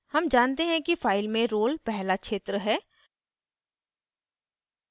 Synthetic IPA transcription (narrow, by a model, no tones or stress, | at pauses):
hɐmd͡ʒaːnt̪eɦɛ̃kifaːɪlmẽɾoːlpɛɦlakʃeːt̪ɾəɦɛː